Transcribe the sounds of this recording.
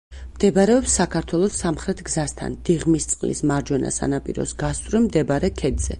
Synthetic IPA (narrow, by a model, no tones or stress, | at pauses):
md̪̥ɛbaɾɛɔpsːakʰaɾt̪ʰwɛlˠɔsamχɾɛt̪ʰɡzast̪ʰa̰nd̪̥iʁmist̪sʼqʼlḭsmaɾd͡ʒwɛna̰sa̰napʼḭɾɔ̰sɡast̪ʼɾɛmd̪ɛbaɾɛkʰɛd̪z̥ɛ̰